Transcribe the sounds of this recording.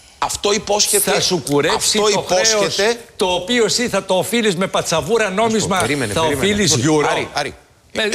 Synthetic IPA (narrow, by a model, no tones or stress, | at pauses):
ɐft̪o̞ipo̞sçetθɐsukuɾeɐfsioixoseoeset̪o̞ːpio̞siθɐt̪oːfilizme̞pɐt͡sɐvuɾɐno̞mizmɐɾimenθɐoimfilizʝuɾoɾiɐɾi | me